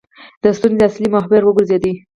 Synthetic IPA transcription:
d̪̥əst̪unzeaslimaɦbɪɾwəɡʊɾzjɑd̪i

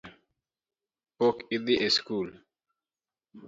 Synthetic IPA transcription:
pokiðiʔeskul

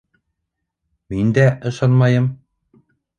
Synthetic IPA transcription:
mind̪æʔɤ̆ʃɑnmɑjɤm

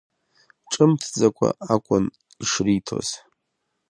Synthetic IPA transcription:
ʈ͡ʂʼɨmtʰd͡zakʷʰʼa̰akʷʼʊn | iʂritʰo̰z̥

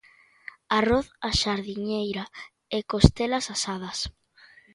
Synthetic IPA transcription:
aroθaʃaɾðiɲejɾa | ekost̪elɐsasað̞ɐs

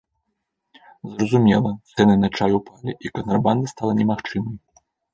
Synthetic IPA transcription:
zrɐzumʲɛlˠɐt̪sɛnɨnɐt͡ʂajʲupalʲiʔikɐnt̪ɾɐband̪ɐst̪alˠɐnʲɛmaxt͡ʂɨmɐj

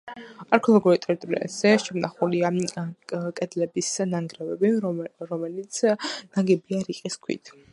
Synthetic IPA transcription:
aɾkʰɔlˠɔɡuɾit̪ʼɛɾit̪ʼuɾḭa̰z̥ɛʃɛmnaχulia | kʼɛd̪lɛbisnaŋɡɾɛvɛbiɾɔmɛlit̪sʰnaɡɛbiaɾiqʼiskʰwḭt̪ʰ

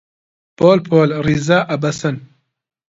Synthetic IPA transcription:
poːlpʰoːlrizaːʔɐbɐsɐn

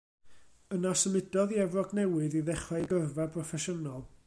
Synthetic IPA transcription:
ənasəmɪdɔðiɛvrɔɡnɛwɨðiðɛχaɡərvapʰrɔfɛʃənɔlˠ

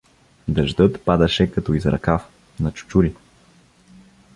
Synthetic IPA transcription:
d̪ɐʒd̪ɤt̪pad̪ɐʃɛkɐt̪ɔizɾɐ̰kaf | nɐt͡ʃu̥t͡ʃuɾi

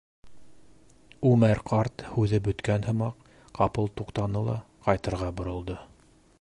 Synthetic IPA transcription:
ʉmæɾqʰɑɾt̪hʉðɘbɵ̆t̪kænhɤ̆mɑq | qɑpɤlˠt̪uqt̪ɑnɤlˠɑ̰ | qɑjt̪ɤ̆ɾʁɑbŏɾŏlˠd̪ɤ

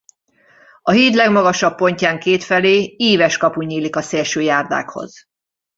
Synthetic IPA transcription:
ɒɦiːt̪lɛɡmɒɡɒʃɒpːo̞ɲcaːŋkeːt̪fɛleːiːvɛʃkɒpuɲiːlikɒseːlʃøːjaːrd̪a̰ːkho̰z̥

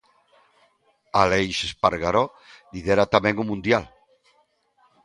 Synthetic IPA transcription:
alejʃespaɾɣaɾɔ | liðeɾat̪amɛ̃ŋumũnd̪jal

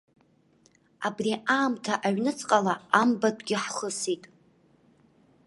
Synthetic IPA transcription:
abriʔaːmtʰaʔaɥnɨt͡sʼqʼalaambatʰʷʼɡʲɪħχəsitʼ

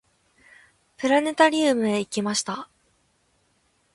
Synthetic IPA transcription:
pɯ̟ɾane̞t̪aɾʲɨːmɯ̟e̞ikʲimaɕi̥t̪a

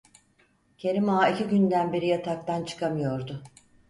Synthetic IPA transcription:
cʰe̞ɾimaːiciɟynd̪ænbeɾijat̪ʰak̚t̪ʰant͡ʃʰɯ̥kʰamɯjo̞ɾd̪ʊ

